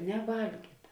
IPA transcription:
nʲɛˈʋɐlʲɡʲiːtɐ

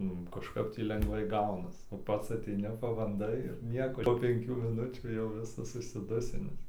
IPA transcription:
ˈnʊ kɐʃˈkɐp tʲiː lʲɛŋɡˈʋɐɪ ˈɡɐʊnɐs oː ˈpɐts ɐˈtʲɛɪnʲɪ pɐbɐnˈdɐɪ ɪr nʲiɛkoː ˈpoː pʲɛŋʲˈkʲuː mʲɪˈnʊt͡ʃʲuː jɛʊ ˈʋʲɪsɐs ʊʃʲsʲɪˈdʊsʲɪnʲɪs

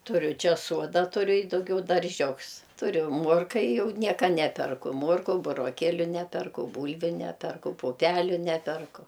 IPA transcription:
tʊˈrʲʊ ˈt͡ʃʲɛ ˈsuɔdɐ tʊˈrʲʊ ɪ dɐʊˈɡʲɛʊ dɐrʲˈʒʲʊks tʊˈrʲʊ ˈmuɔrkɐ ɪ ˈjɛʊ ˈnʲiɛkɐ ˈnʲæːpʲɛrkʊ ˈmoːrkʊ bʊroːˈkʲeːlʲʊ ˈnʲæːpʲɛrkʊ ˈbuːlʲʋʲʊ ˈnʲæːpʲɛrkʊ pʊˈpʲæːlʲʊ ˈnʲæːpʲɛrkʊ

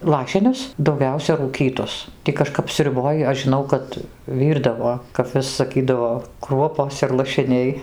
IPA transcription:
ˈlˠɑːʃʲɪnʲʊs dɐʊˈɡʲɛʊsʲɛ ruːˈkʲiːtʊs ˈtʲiː kɐˈʃkɐp sʲrʲʊˈboːj ɐʃ ʒʲɪˈnɐʊ ˈkɐt ˈʋʲiːrdɐʋoː kɐp ˈʋʲɪs sɐˈkʲiːdɐʋoː ˈkruɔpoːs ɪr lˠɐʃʲɪˈnʲɛɪ

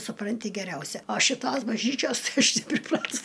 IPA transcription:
sʊˈprɐnʲtʲɪ ɡʲɛˈrʲɛʊsʲɛ oː ʃʲɪˈtoːs bɐʒʲˈnʲiːt͡ʃʲoːs ˈɐʃ nʲɛpʲrʲɪˈprɑːtʊs

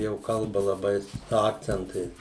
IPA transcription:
jɛʊ ˈkɐlˠbɐ lˠɐˈbɐɪ sʊ ˈɑːkt͡sʲɛntɐɪs

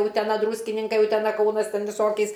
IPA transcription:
ʊtʲɛˈnɐ ˈdruːsʲkʲɪnʲɪŋkɐɪ ʊtʲɛˈnɐ ˈkɐʊnɐs ˈtʲɛn ʋʲɪˈsoːkʲɛɪs

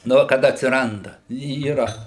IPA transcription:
ˈnʊ kɐt ɐtʲsʲɪˈrɐndɐ iːˈrɐ

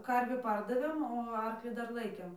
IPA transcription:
ˈkɐrʲʋʲiː ˈpɐrdɐʋʲeːm oː ˈɐrklʲiː ˈdɐr ˈlˠɐɪkʲeːm

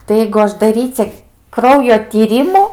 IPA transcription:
tɐɪ ˈjɛɪɡʊ ˈɐʃ dɐˈrʲiːt͡sʲɛ ˈkrɐʊjoː tʲiːˈrʲɪmuː

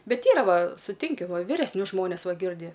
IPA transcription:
ˈbʲɛt ˈiːrɐ ˈʋɐ sʊˈtʲɪŋʲkʲɪ ʋʲɪrʲɛsʲˈnʲʊs ˈʒmoːnʲɛs ˈʋɐ ˈɡʲɪrʲdʲɪ

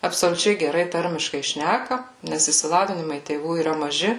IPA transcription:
ɐpsoːlʲʊˈt͡ʃʲɛɪ ɡʲɛˈrɐɪ ˈtɐrʲmʲɪʃkɐɪ ˈʃʲnʲækɐ nʲɛs ɪʃʲsʲɪˈlˠɑːʋʲɪnʲɪmɐɪ tʲeːˈʋuː iːˈrɐ mɐˈʒʲɪ

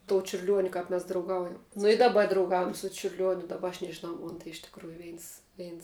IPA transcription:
toː t͡ʃʲʊrʲˈlʲuɔnʲʊ ˈkɐp mʲɛs drɐʊˈɡɐʊjɛm nʊ ɪ dɐˈbɐ drɐʊˈɡɐʊjɛm sʊ t͡ʃʲʊrʲˈlʲuɔnʲʊ dɐˈbɐ ɐʃ nʲɛʒʲɪˈnɐʊ ˈmoːn tɐɪ ɪʃ tʲɪkˈruːjʊ ˈʋʲɛɪns ˈʋʲɛɪns

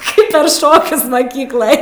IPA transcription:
ˈkɐɪp pʲɛr ˈʃoːkʲʊs mɐˈkʲiːklˠɐj

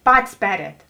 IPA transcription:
ˈpɑːtʲɪs ˈpʲæːrʲɛːt

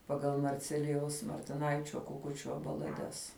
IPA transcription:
pɐˈɡɐlˠ mɐrʲˈt͡sʲæːlʲɪjɛʊs mɐrʲtʲɪˈnɐɪt͡ʃʲoː kʊˈkʊt͡ʃʲoː bɐlˠɐˈdʲɛs

